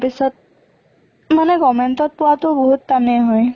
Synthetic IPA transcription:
pisɔt̚ | manɛɡɔmɛntɔt̚pʊwatʊboɦutːaneɦɔj

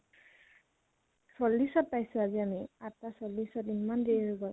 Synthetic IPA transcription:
solːisɔt̚pajsʊ̃aziamiatasolːisɔtimandeɹuɡɔl

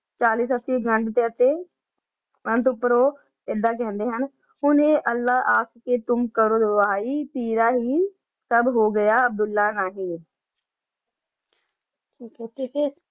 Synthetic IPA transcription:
t͡ʃaːliːsət̪ːiːɡəɳɖt̪eːət̪eː | mənt̪̬ʊpːəɾoː | ɪd̪aːk̬ɛ̃ːnd̪eːɦən | ɦʊneːʔəlːaːʔaːkkeːt̪ʊmkəɾoːd̪əʋaːiːt̪iːɾaːɦiː | t̪əbɦoːɡəjaːəb̚d̪ʊlːaːnaːɦĩː | iːkiːe

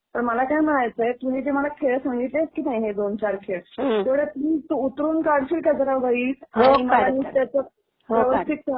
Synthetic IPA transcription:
p̪əɳməlakajm̤əɽ̃ajt͡səjet̪um̤iːd͡ʑeməlakʰeɭsãŋɡit̪leskiːnaɦiɦed̪ont͡ɕaɾkʰeɭt̪eʋɽet̪ut̪uːt̪ɾuːnkaɾɽɕilkad͡zəɾaʋəiːsaõiməanit̪jat͡sə | pəʋəst̪it̪ː

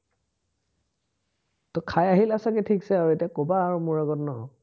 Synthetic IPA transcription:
tɔkʰajaɦilasakɛtʰiksɛaɹuetijakobaːɹumʊɹaɡɔtnɔɦɔ

